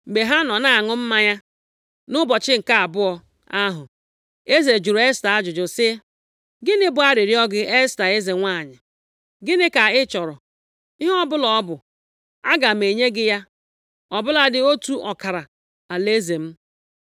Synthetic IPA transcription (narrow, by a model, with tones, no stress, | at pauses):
ɡ͡be˨ɦa˦nɔ˨na˦a˨ŋʊ˦m̩˦ma˦ɲa˦ | nʊ˦bɔ˨t͡ʃɪ˦ŋ̩˨ka˦a˨bʊ˦ɔ˦ | a˦ɦʊ˨ | e˦ze˨d͡ʒu˨ɾe˦sta˨a˦d͡ʒʊ˨d͡ʒʊ˨sɪ˦ | ɡɪ˦nɪ˦bʊ˨˦a˦ɾɪ˨ɾi˦ɔ˦ɡɪ˦ʔe˦sta˨e˦ze˨ŋʷa˦˨ɲɪ˨ | ɡɪ˦nɪ˦ka˨ɪ˦t͡ʃɔ˨ɾʊ˨ | i˦ɦɔ˦bʊ˦lɔ˨ɔ˦bʊ˨ | a˦ɡa˨m̩e˨ɲe˦ɡɪ˦ja˦ | ɔ˨bʊ˦la˦dɪ˦o˦tu˦ʔɔ˨ka˨ɾa˨ | a˨le˦ze˨m̩˦